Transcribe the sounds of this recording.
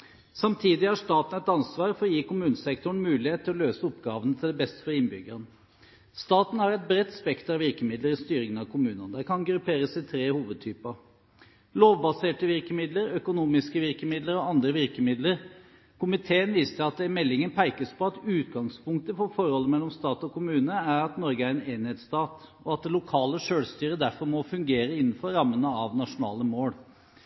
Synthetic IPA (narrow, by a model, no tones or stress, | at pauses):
sɑmt̪ʰiːd̪ɪæʂt̪ɑːt̪n̩ɛt̪ɑnsʋɑːɾfɔɾɔjiːkʊmʉːnəsɛkt̪ʊɳ̩mʉːlɪheːt̪ʰːɪlɔløːsəɔpɡɑːʋənət̪ʰɪld̪ɛbɛst̪ə̥fɔɾɪnbʏɡən | st̪ɑːt̪n̩ɑɾɛt̪̚bɾɛt̪ːspɛkt̪ɾɑʋɪɾkəmɪd̪ləɾɪst̪yːɾɪŋənɑʋkʰʊmʉːnənd̪ækʰɑnɡɾʉpʰeːɾəsɪt̪ʰɾeːhuːʋəd̪̚t̪ʰyːpə | loːʋbɑseːʈəʋɪɾkəmɪd̪ləɾœkʊnuːmɪskəʋɪɾkəmɪd̪ləɾɔɑnd̪ɾəʋɪɾkəmɪd̪ləɾ | kʰʊmɪt̪ʰeːənʋiːst̪əɑt̪̚d̪ɛmɛlːɪŋənpʰæɪkəspɔɑt̪ʉːt̪ɡɑŋspʊŋk̚t̪əfɔɾfɔɾhɔlːəmɛlːɔmst̪ɑːt̪ɔkʊmʉːnəæɾɑt̪nɔɾɡəæɾɛneːnheːt̪st̪ɑːt̪ɔɑt̪̚d̪ɛlʊkʰɑːləʂøːlst̪yːɾəd̪æɾfɔɾmɔfʉŋɡeːɾəɪnːn̩fɔɾːɑmːənəɑʋnɑʂʊnɑ̰ːləmoːɽ